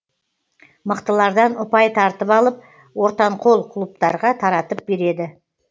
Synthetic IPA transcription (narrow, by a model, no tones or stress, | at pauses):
məqt̪əlˠɑɾd̪ɑnʊpɑjt̪ʰɑɾt̪əpɑlˠəp̚ | wo̞ɾt̪ɑɴqʰo̞lˠqʰʊlˠup̚t̪ɑɾʁɑt̪ʰɑɾɑt̪əp̚be̞ɾe̞d̪ɪ